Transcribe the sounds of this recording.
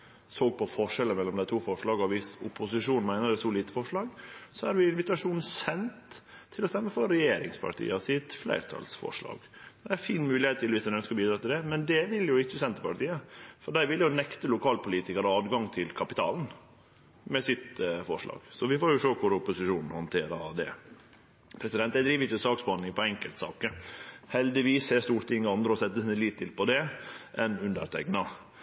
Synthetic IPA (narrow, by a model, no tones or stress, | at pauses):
soːɡ̚pʰɔfɔʂɛlːəmɛlːɔmd̪æɪt̪ʰuːfɔʂɭɑːɡɔʋɪsʊpʊsɪʂuːnmæɪnəɾɛsɔliːt̪əfɔʂɭɑːɡsɔæɾʋɪɪnʋɪt̪ɑʂuːn̩sɛnt̪ʰːɪlɔst̪ɛmːəfɔɾːɛjeːɾɪ̰ŋspʰɑ̰ɾʈʰḭːəsɪt̪flæ̰ɪɾt̪ʰɑ̰lsfɔ̰ʂlɑ̰ːɡ̥d̪ææfiːnmʉːlɪheːt̪ʰːɪlʋɪsd̪ɛnœnskəɾbiːd̪ɾɑt̪ɪld̪ɛmɛnd̪ɛʋɪljʊɪçːəsɛnt̪ːəpʰɑʈiːəfɔɖæɪʋɪljʊnɛkt̪əlʊkʰɑːlpʰʊliːt̪ɪkɑɾəɑːd̪ɡɑŋt̪ʰɪlkʰɑpɪt̪ʰɑ̰ːln̩ | mɛsɪt̪fɔʂlɑ̰ːɡ̥sɔʋɪfoːɾjʊʂøːkʰʊɾɔpʊsɪʂuːnn̩hɔnt̪ʰeːɾɑɾd̪ɛ̰ | pʰɾɛsɪd̪ɛnt̪ːæɪd̪ɾiːʋəɾɪt͡ʃːəsɑːksbɑnɪŋpɔɛŋkəlt̪sɑ̰ːkəhɛld̪ɪʋiːsɛst̪uːɾt̪ɪŋːəɑnd̪ɾəɔsɛt̪ːəsiːnəliːt̪ʰːɪlpɔd̪ɛʔɛnʉnd̪ə̰ɾt̪ʰɛ̰ɡnɑ